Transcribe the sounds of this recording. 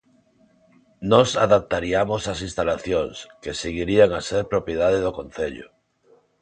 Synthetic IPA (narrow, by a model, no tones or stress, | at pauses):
nɔsaðap̚t̪aɾiamosasinst̪alaθjoŋskeseɣiɾiaŋaseɾpɾopjeðað̞eðokon̟θeʎʊ̰